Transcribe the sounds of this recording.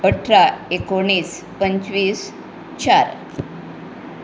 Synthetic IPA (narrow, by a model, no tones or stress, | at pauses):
əʈʰɾaekoɳ̃iːs | pəɲt͡sʋiːs | t͡ɕaɾ